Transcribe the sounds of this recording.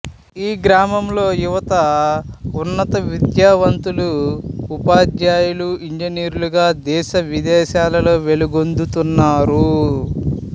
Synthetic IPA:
iːɡɾaːmɐmlo̞ːjuʋɐt̪ɐ | unːɐt̪ɐʋid̪jaːʋɐnt̪uluupaːd̪jaːjuluiɲd͡ʒɐniːɾuluɡaːd̪ɛːʃɐʋid̪ɛːʃaːlɐlo̞ːʋe̞luɡo̞nd̪ut̪unːaːɾu

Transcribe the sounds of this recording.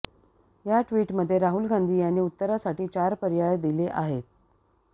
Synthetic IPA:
jaʈʋiːʈməd̪ʱːjeɾaɦulɡʱand̪ʱiːjañiːut̪ːəɾasaʈiːt͡ɕaɾpəɾjajd̪ileʔaɦet̪̚

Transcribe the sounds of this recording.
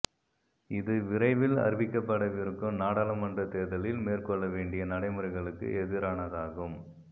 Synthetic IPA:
ɪðɯʋɪɾɐɪʋɪlɐ̰ɾʋɪkːɐpːɐɽɐʋɪɾɯkːɯmnaːɽaːlɐmɐndrɐt̪eːðɐlɪlmeːrkɔɭːɐʋeːɳɖɪjɐnɐɽɐɪmɐɾɐɪɣɐɭɯkːɯ̰ʔɛðɪɾaːnɐðaːɣɯm

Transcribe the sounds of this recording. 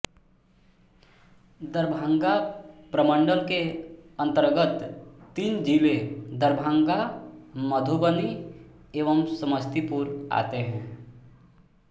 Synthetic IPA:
d̪əɾbʱãŋɡapɾəmə̃ɳɖəlkeə̃nt̪əɾɡət̪ːiːnd͡ʒiːled̪əɾbʱãŋɡaməd̪ʱubəni | eːʋəmsəməst̪ipuːɾa̰ːt̪eɦɛ̃ː

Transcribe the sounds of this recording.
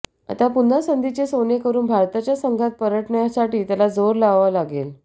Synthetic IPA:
a̰t̪apun̤asənd̪ʱit͡ɕesonekəɾuːnbʱaɾt̪at͡ɕjasəŋɡʱat̪̚pəɾəʈɳjasaʈiːt̪jalad͡zoɾlaʋʋalaɡel

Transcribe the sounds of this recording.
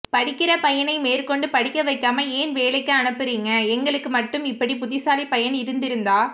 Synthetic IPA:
pɐɽɪkːɪɾɐpɐjɐnɐɪmeːrkɔɳɖɯpɐɽɪkːɐʋɐɪkːaːmɐeːnʋeːlɐɪkːɐɐnɐpːɪɾiːŋɡɐɛŋɡɐɭɯkːɯmɐʈːɯmɪpːɐɽipʊðɪsaːlipɐjɐnɪɾɯnd̪ɪɾɯnd̪aː

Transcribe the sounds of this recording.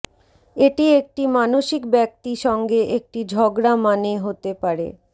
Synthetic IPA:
eʈiek̚ʈimanoʃikbɛk̚t̪iʃɔŋɡeʔek̚ʈid͡ʑʱɔɡɾamaneɦot̪epaɾḛ

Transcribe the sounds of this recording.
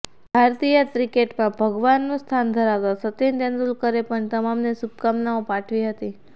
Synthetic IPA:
b̥ʱaɾt̪ijət̪ɾikeʈmãbʱəɡʋanːũst̪ʰand̪ʱəɾaʋt̪asət̪end̪ɛ̃nd̪ulkəɾepəɳt̪əmamnesub̚kamnaõpãʈʰʋiɦət̪i

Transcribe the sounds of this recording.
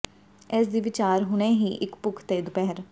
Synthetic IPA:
ɛːs̬d̪iːʋɪt͡ʃaːɾɦʊñeːɦiːʔɪkpʊkʰt̪eːd̪ʊpɛɦəɾ

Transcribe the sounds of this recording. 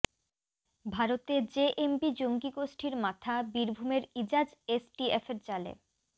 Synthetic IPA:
bʱaɾot̪ed͡ʑeʔempid͡ʑoŋɡiɡoʃʈʰiɾmat̪ʰabiɾbʱumeɾid͡ʑad͡ʑesʈiefeɾt͡ɕalḛ

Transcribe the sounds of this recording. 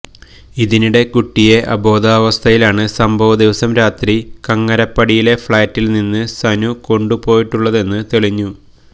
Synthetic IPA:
iðiniɽe̞kuʈːije̞ʔɐbo̞ːd̪aːʋɐst̪ʰɐjilaːɳɨsɐmbʱɐʋɐd̪iʋɐsɐmɾaːt̪rikɐŋːɐɾɐpːɐɽijile̞fɭaːtːilninːɨsɐnuko̞ɳɖupo̞ːjiʈːuɭːɐðe̞nːɨt̪eɭiɲːu

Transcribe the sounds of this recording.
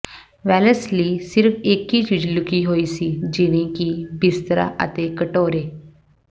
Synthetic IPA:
ʋɛːləsliːsɪɾəpʰɪkːiːt͡ʃiːd͡ʒlʊkiːɦoːiːsiːd͡ʒɪʋẽːkibɪst̪ɾa̰ːʔə̰t̪eːkəʈoːɾeː

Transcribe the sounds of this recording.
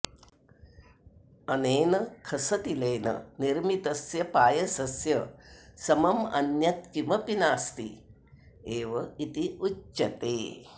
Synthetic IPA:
ɐneːnɐkʰɐsɐt̪ileːnɐ̰niɾmit̪ɐsjɐpaːjɐsɐsjɐsɐmɐmɐ̰njɐt̪kimɐpinaːst̪ḭ | eːʋɐit̪iut͡ʃːɐt̪eː

